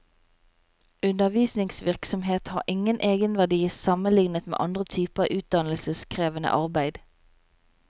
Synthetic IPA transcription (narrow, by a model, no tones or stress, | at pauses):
ʉnəʋiːsnɪŋsʋɪʁksɔmheːt̪hɑ̰ːʁʔɪŋənʔeːɡənʋæʁd̪iːsɑmənlɪŋnət̪mḛːʔɑnd̪ʁət̪ʰyːpəʁəʔʉːt̪̚d̪ɑnl̩səskʰʁeːʋənə̰ʔɑʁbæɪd̪̥